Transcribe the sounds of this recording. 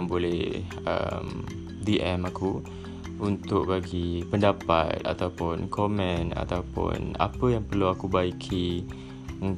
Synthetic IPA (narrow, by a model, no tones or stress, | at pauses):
ŋbolɛh | ə̰m | diʔɛmaku | unt̪ʊk̚baɡipəndapa̰t̪̚a̰t̪awpʊnkomɛ̃na̰t̪awpʊ̰na̰pəjaŋpərluakubaikʰi | un